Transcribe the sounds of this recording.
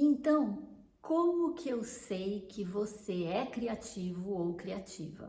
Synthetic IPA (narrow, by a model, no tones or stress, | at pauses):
ẽnt̪ɐ̃w̃ | kʰõmʊkɪewsejkɪvoseɛkɾiat͡ʃivʊowkɾiat͡ʃḭvɐ̰